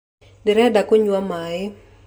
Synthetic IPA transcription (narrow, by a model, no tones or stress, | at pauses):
dɪɾɛdakoɲwamaɪ